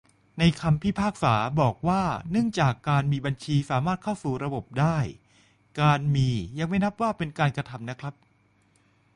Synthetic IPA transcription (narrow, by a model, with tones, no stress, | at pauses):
na˧jkʰa˧mpʰiː˥˩pʰaː˥˩k̚saː˩˦bɔː˨˩k̚waː˥˩nɯ˥˩ŋt͡ɕaː˨˩kːaː˧nmiː˧ba˧nt͡ɕʰiː˧saː˩˦maː˥˩t̪̚kʰa˥˩wsuː˨˩ɾa˧bo˨˩p̚daː˥˩j | kaː˧nmiː˧ja˧ŋma˥˩jna˦˥p̚waː˥˩pe˧nkaː˧nkɾa˧t̪ʰa˧mna˦˥kʰɾa˦˥p̚